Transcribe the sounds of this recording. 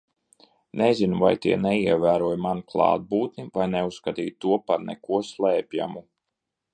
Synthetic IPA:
nɛzinuva̰jt̪iɛnɛiɛvæːɾuɔjmanklˠɑ̰ːd̪̚buːt̪nivajnɛusskat̪iːjt̪uɔpaɾnɛ̰kuɔslˠɛːpʲja̰mu

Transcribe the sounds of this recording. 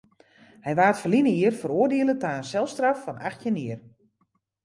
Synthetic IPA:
hɛjʋaːtfərlinəiərfəɾoːərdɪəlˠətaənsɛlˠstrafːɔnaxtjənɪər

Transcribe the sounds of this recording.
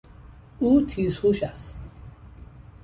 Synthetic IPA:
uːt̪ʰizhuʃæst̪

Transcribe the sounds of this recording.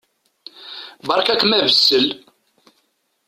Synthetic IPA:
bɑɾˤkækːmævəsːəl

